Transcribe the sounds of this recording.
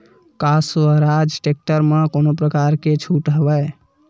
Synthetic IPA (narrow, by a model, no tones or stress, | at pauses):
kasʋəɾad͡ʒʈek̚ʈəɾmekonopɾəkaɾket͡ʃʰuʈɦəbəj